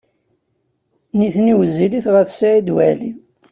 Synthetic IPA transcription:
niθniwəzːiliθʁəfsæid̪wæli

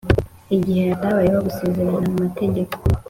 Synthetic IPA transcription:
iɟihejataβajewaɡusezeɾanamumateɟeko

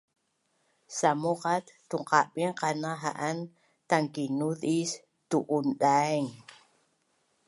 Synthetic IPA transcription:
samuqat̪ːuŋqaɓiŋqanaɦa̰ʔan | t̪aŋkinuðis | t̪uʔunɗaeŋ

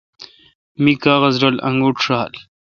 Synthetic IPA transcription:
mikaːɣɐzɾɐlɐ̰ŋɡuʈʂaːl

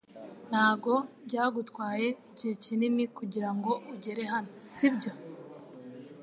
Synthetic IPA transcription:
n̥haːɡo̞bɟaːɡutkwaːje̞ | ɟihecinimikuɟiɾaŋɡo̞ʔuɟe̞ɾe̞ɦanosibɟo̞

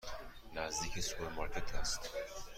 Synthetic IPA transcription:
næzd̪iːcʰesu̥peɾmɑɾkʰet̪ʰæst̪

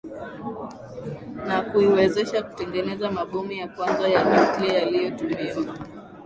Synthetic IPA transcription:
nakuiwɛzɛʃaku̥tɛŋɡɛnɛzamaɓɔmijakwanzajamiklɛjalijɔtumiwaa

